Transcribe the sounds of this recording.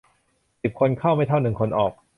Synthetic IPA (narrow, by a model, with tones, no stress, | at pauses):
si˨˩p̚kʰo˧nkʰa˥˩wma˥˩jt̪ʰa˥˩wnɯ˨˩ŋkʰo˧nʔɔː˨˩k̚